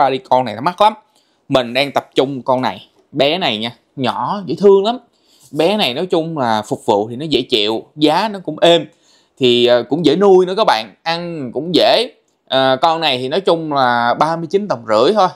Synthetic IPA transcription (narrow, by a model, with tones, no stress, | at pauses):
waː˧ɗi˧kɔ˧na˨˩ja̰˨˦ma˦˥t̚la˨˦m | mï˨˩ŋ̟ɗaː˧ŋt̪ə˨˩p̚t͡ɕʊ˧ŋ͡mkɔ˧nna˨˩j | ɓɛ˨˦na˨˩jɲaː˧ | ɲɔ˧˩zḛ˧˥˦t̪ʰɨ˧əŋla˨˦m | ɓɛ˨˦na˨˩jnɔ˨˦jt͡ɕʊ˧ŋ͡mlaː˨˩fʊ˨˩k͡p̚vṵ˧˨t̪ʰi˨˩nɔ˨˦zḛ˧˥t͡ɕḭ˧˨wzaː˨˦nɔ˨˦kʊ̰˧˥ŋ͡mʔe˧m | t̪ʰi˨˩əː˨˩kʊ̰˧˥ŋ͡mzḛ˧˥nu˧jnɨ˨˦kɔ˨˦˥ɓa̰ː˧˨nʔa˧nkʊ̰˧˥ŋ͡mzḛ˧˥ | ʔəː˨˩kɔ˧nna˨˩jt̪ʰi˨˩nɔ˨˦jt͡ɕʊ˧ŋ͡mlaː˨˩ɓaː˧mɨ˧ət͡ɕi˨˦nt̪ə˨˩mŋ͡mzɨ̰˧˩˥əjt̪ʰo˧j